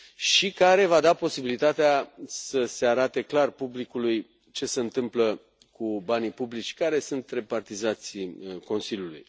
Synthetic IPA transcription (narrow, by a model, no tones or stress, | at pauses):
ʃikaɾe̞vad̪apo̞sibilit̪at̪easəse̞aɾat̪e̞klarpublikuluj | t͡ʃe̞se̞ɨnt̪ɨmplə | kubanipublit͡ʃʲkaɾe̞sunt̪re̞part̪izat̪sʲko̞nsiljulṵj